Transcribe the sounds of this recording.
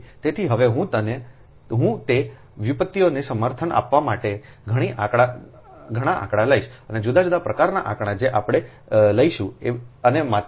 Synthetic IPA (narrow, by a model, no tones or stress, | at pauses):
t̪et̪ʰiɦəʋeɦũt̪əne | ɦũt̪e | ʋipət̪ːijonesəməɾt̪ʰənʔa̰pʋamaʈe | ɡʱəɽ̃iʔakɽa | ɡʱəɽ̃aʔa̰kɽaləiʃəned͡ʒud̪ad͡ʒud̪apɾəkaɾnaʔakɳ̃ad͡ʒeʔapɽ̃e | ləiʃũeənema